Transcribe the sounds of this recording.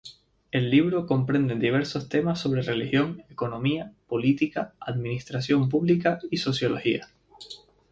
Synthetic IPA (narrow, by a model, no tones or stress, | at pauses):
e̞lːiβɾo̞ko̞mpɾe̞nd̪ed̪iβ̞e̞ɾso̞st̪e̞masːo̞β̞ɾe̞re̞lixjo̞ŋe̞ko̞nõ̞miapo̞lit̪ikaaðmĩnist̪ɾasjo̞mp̬uβlikaiso̞sjo̞lo̞hia